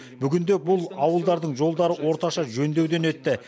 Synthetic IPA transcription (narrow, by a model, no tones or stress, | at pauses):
bʏɡʲɪnd̪e̞bʊlˠɑwəlˠd̪ɑɾd̪əɴʒo̞lˠd̪ɑɾəwo̞ɾt̪ɑʃɑʒɵnd̪e̞wd̪e̞ne̞t̪ːɪ